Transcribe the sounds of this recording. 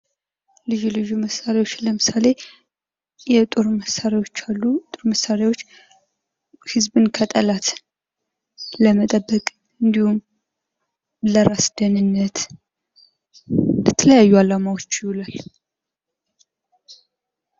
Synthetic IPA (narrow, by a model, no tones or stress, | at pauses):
lɨʒulɨjuməsaɾiwo̞t͡ʃːləmɨsale̞ | jɛt̪ʼoɾməsaɾwo̞t͡ʃːalːut̪ʼoɾməsaɾawot͡ʃː | hɨzbɨnkʰət̪ʼəlat̪ | ləmət̪ʼəbːəkʼ | ɨnd̪ihum | ləɾasd̪ənɨnːət̪ | ət̪ʰːələjajːualamawo̞t͡ʃːwulal